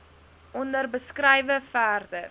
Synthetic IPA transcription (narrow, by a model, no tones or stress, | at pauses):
ʔɔndərbəskrəjvəfæːrdər